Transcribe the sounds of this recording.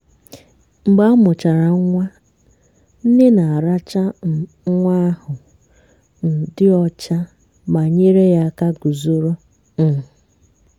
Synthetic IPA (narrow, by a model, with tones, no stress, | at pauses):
ŋ͡m̩˨ɡ͡ba˦mʊ˨t͡ʃa˨ɾa˨ŋ˦ŋʷa˦ | n̩˦dɪ˦na˨a˨ɾa˦t͡ʃa˦ | ŋʷa˦hʊ˨ | n̩˨dɪ˦ɔ˦t͡ʃa˦ | ma˨ɲe˦ɾe˦ja˦ka˦ɡu˨zo˦ɾo˦ | n̩˨